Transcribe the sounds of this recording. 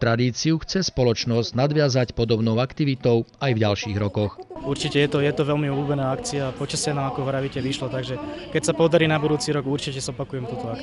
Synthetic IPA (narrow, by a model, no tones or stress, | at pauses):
t̪ɾad̪iːt͡siuxt͡sɛspɔlɔt͡ʃnɔzɟnad̪ʋɪazacpɔd̪ɔbnɔʊakt̪iʋit̪ɔʊajvɟalʃiːɣɾɔkɔxuɾt͡ʃicɛjɛt̪ɔjɛt̪ɔʋɛlmiulubɛnaːakt͡siaːpɔt͡ʃasɛnaːakɔʋɾaʋicɛʋiʃlɔt̪aɡʒɛkɛcsapɔd̪aɾiːnabud̪uːt͡siɾɔɡuɾt͡ʃicɛzɔpakujɛmt̪uːt̪ɔak